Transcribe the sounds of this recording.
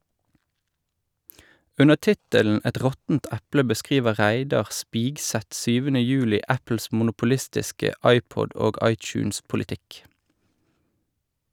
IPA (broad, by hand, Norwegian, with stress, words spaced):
ˈʉnə ˈtɪtəln̩ ˈɛt ˈʁɔtn̩t ˈɛplə bəˈskʁiːʋə ˈʁæɪdɑʁ ˈspiːɡˌsɛt ˈsyːʋənə ˈjʉːlɪ ˈæpl̩s mʊnʊpʊˈlɪstɪskə ˈɑɪˌpɔd ˈoːɡ ˈɑɪˌt͡ʃʉːnspʊlɪˌtɪk